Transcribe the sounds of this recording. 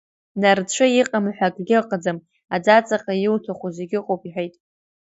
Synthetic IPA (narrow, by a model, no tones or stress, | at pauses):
nart͡ʃʷʰɨjiqʼamħʷᶣakʼɡʲɪqʼəd͡zam | ad͡zat͡sʼaqʼajɪwtʰaχʷuzeɡʲɪqʼowpʼiħʷᶣejtʼ